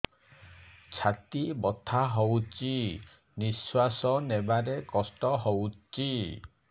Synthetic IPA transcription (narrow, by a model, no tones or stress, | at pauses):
t͡ʃʰat̪ibɔt̪ʰaɦowt͡ʃi | niswasɔnebaɾekɔsʈɔɦowt͡ʃi